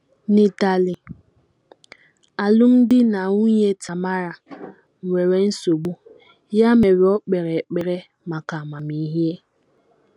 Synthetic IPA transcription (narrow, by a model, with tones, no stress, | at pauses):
ni˨ta˨li˨ | a˨lʊ˦m̩˦dɪ˦na˨ŋu˦ɲe˦tʰa˨ma˦ɾa˨ | m̩˨we˨ɾe˦n̩˦so˨ɡ͡bu˦ | ja˦me˨ɾi˨ɔ˦k͡pe˨ɾe˨k͡pe˨ɾe˦ | ma˨ka˨ma˨mi˨˦ɦje˦